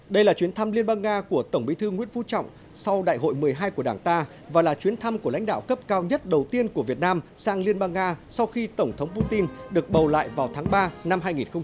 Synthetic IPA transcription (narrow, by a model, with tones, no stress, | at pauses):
ɗə˧jlaː˨˩t͡ɕwi˨˦ənt̪ʰa˧mli˧ənɓaː˧ŋːaː˧ku˧˩ət̪ə˧˩ŋ͡mɓi˨˦t̪ʰɨ˧ŋwḭ˧˥ənvṵ˧˥t͡ɕɔ̰˧˨wŋ͡m | sa˧wɗa̰ː˧˨jɦo̰˧˨jmɨ˨˩əjɦaː˧jku˧˩əɗaː˧˩ŋt̪aː˧ | vaː˨˩laː˨˩t͡ɕwi˨˦ənt̪ʰa˧mku˧˩əl̰a̰˧˥jŋ̟ɗa̰ː˧˨wkə˦˥p̚kaː˧wɲə˦˥t̚ɗə˨˩wt̪i˧ənku˧˩əvi˨˩ət̚naː˧msaː˧ŋli˧ənɓaː˧ŋːaː˧sa˧wxi˧t̪ə˧˩wŋ͡mt̪ʰə˨˦wŋ͡mpu˧t̪i˧nɗɨ˨˩ək̚ɓə˨˩wla̰ː˧˨jvaː˨˩wt̪ʰaː˨˦ŋɓaː˧na˧mɦaː˧jŋi˨˩nxə˧ŋ͡m